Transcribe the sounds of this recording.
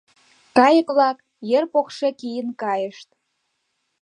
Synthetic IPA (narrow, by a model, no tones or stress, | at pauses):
kɑjə̆kβlɑk | jerpokʃekijənkɑjəʃt̪